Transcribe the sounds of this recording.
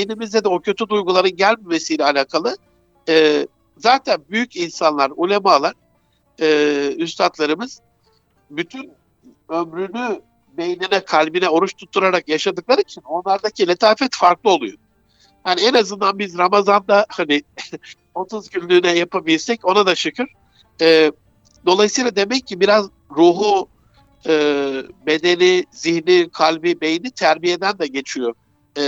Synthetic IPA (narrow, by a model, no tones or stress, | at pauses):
bejnimizd̪ɛd̪ɛo̞cʰøt̪ʰyd̪ujɡulˠaɾɯnɟælʲmemesijlʲɛalʲaːkʰalˠɯ | ɯː | zaːt̪ʰænbyjycinsanlˠaɾulʲemalˠaɾ̥ | ɯːyst̪ʰat̪lˠaɾɯmɯz̥ | byt̪ʰyn | ømɾyny | bejnʲenɛkʰalʲbinɛo̞ɾuʃt̪ʰut̪ʰːuɾaɾakjaʃad̪ɯklˠaɾɯit͡ʃʰino̞nlˠaɾd̪acʰilʲet̪ʰaːfɛt̪faɾklˠɯo̞lˠujod | haniɛnazɯnd̪anbizɾamazand̪ahanɪ | o̞t̪ʰuzcʰynʲlʲyːnɛjapʰabilʲsɛco̞nad̪at͡ʃʰɯkɯɾ̥ | ɛː | d̪o̞lˠajsɯjlˠad̪e̞mɛccʰːibiɾaz | ɾuːɦu | ɯːbe̞d̪e̞niziçnikʰalʲbibe̞jinit̪ʰæɾbije̞d̪ænd̪ɛɟe̞t͡ʃʰijo̞